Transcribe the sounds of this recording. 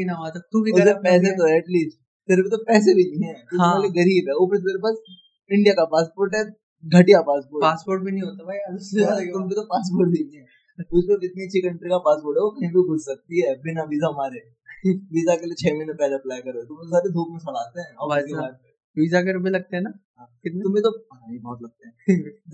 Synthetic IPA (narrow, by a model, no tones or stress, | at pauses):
inaʋt̪ɐk̚t̪ukiʊseɛːset̪oɛɐʈliːsʈ | t̪eɾbit̪opɛːs̬ebʱinĩɦɛ̃ːt̪ʊɛːleɡɐɾiːbɦɛːʊpɾmeːɾepaːs | ɪ̃ɳɖijakapaːspoːɾʈɦɛ | ɡʱɐʈijapaːspoːɾpaːspoːɾʈ̚bʱinɐ̃ɦĩɦoːt̪abʱajaʊseat̪ʊmkit̪opaːs̬poːɾʈ̚bʱiniɦɛː | ʊskoɪt̪niɐtːʃʰikɐ̃ɳʈɾikapaːspoːɾʈɦɛʋokɐɦĩbʱiɡʱʊssɐk̚t̪iɦɛːbɪnabiːzaɦmaːɾe | kibiːzakeliet͡ʃʰɛːminəpɛːleɐplaːjkɐɾet̪ʊmosaːɾed̪ʱuːkmẽsɐlaːt̪eɦɛ̃ːɔɾasiaːt̪̚kɐ | biːzakeɾʊbelɐɡ̚t̪eɦɛ̃na | ãkɪt̪neʊmɦẽt̪oaibɐɦɔt̪lɐɡ̚t̪eɦɛ